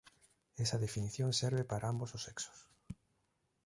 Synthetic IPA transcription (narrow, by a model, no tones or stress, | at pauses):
ɛsɐðefiniθjõŋseɾβepaɾaambososeksʊ̥s